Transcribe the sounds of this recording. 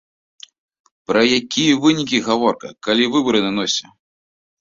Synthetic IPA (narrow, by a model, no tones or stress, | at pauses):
pɾɐjakʲijɐvɨnʲikʲiɣavɔrkɐ̰kalʲivɨbɐɾɨnanɔsʲɐ